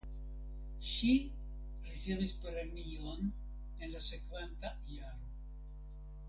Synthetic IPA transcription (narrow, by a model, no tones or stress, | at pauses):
ʃi | riseβispeɾemion | enlasekβant̪aiaɾo